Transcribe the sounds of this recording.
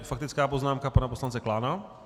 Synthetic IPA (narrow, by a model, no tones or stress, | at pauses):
fakt̪it͡skaːpɔznaːmkapanapɔslant͡sɛklaːna